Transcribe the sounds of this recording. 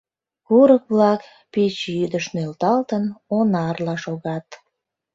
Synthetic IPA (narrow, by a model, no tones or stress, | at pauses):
kuɾək̚βlɑk | pit͡ɕjyd̪əʃnølt̪ɑlt̪ənonɑrlɑʃoɣɑt̪